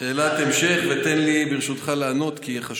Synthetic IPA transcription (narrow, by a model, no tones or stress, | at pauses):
eːlat̪emʃe̞χvet̪enlibiʁʃut̪χalaːno̞t̪kiχaʃ